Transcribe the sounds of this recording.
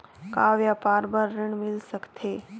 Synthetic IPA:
kaːʋjapaːɾbəɾːɪɳmɪlsəkt̪ʰe

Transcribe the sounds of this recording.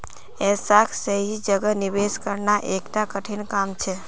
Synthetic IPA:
esakʰsəɦid͡ʒəɡəniʋeskəɾnaʔekʈakəʈʰinkamt͡ʃʰe

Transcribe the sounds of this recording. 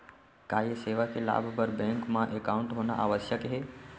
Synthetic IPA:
kaːjeseːʋakela̰ːbʱpəɾbɛ̃ŋkmãʔekaːʊ̃ɳʈɦoːna̰ʔa̰ːʋəsjəkɦeː

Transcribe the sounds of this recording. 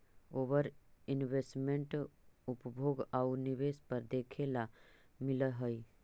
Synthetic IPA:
oːʋəɾɪnʋesʈmẽɳʈupbʱoːɡauniʋespəɾd̪eːkʰela | mɪləɦəj

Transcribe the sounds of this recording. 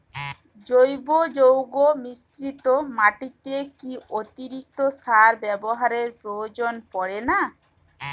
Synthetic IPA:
d͡ʒojbod͡ʒowɡomisɾit̪omaʈit̪ekiot̪iɾik̚t̪osaɾbɛboɦaɾeɾpɾood͡ʒonpɔɽena

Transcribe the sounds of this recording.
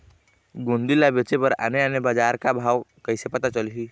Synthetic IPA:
ɡond̪ilabet͡ʃepəɾə̰neənebad͡ʒaːɾkabʱaːʋkəɪsepət̪at͡ʃəlɦiː

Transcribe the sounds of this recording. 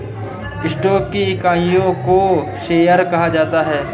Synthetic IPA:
ɪsʈɔːkːikaːijõko | ʃeːjəɾkɐɦad͡ʒaːt̪aɦɛː

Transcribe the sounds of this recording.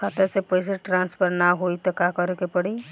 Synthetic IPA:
kʰat̪esepəjs̬eʈɾãːnspʰəɾnaɦoit̪ɔkakəɾekepəɽi

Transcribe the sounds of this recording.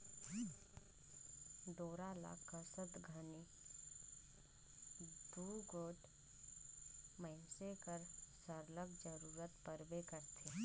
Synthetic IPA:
d̪oːɾala̰kəsət̪ɡʱəni | d̪uːɡoːʈ | məɪnsekəɾsəɾləɡd͡ʒəɾuːɾət̪pəɾbekəɾt̪ʰe

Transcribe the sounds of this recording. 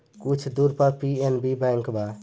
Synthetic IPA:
kut͡ʃʰd̪uɾpəɾpienbibɛ̃ŋkba

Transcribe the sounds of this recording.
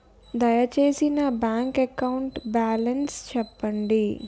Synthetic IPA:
d̪ajat͡ʃesinabãŋkɛkauɳʈbalənst͡ʃʰəpːəɳɖi

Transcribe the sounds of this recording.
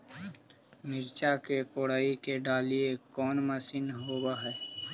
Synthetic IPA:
mɪɾt͡ʃakekoːɽaːikeɖaːliekɔːnməsiːnɦoːbaɦɛː

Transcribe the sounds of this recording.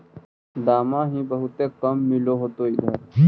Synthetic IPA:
d̪aːmãːɦĩːbɐɦut̪eːkɐmːiloːɦoːt̪oːid̪ɐɾ

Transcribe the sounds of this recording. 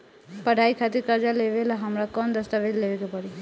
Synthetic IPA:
pəɖʱaikʰat̪iɾkəɾd͡ʒaleʋelaɦəmɾakɔnd̪əst̪aʋed̪leʋekepəɽi

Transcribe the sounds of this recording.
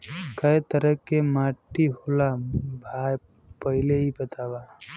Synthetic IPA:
kəjt̪əɾəkːemaʈːiɦolabʱaj | pəɦileɦibət̪aba

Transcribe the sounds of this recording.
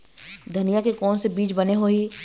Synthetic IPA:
d̪ʱɐnijakekɔːnsebiːt͡ʃbɐneɦoi

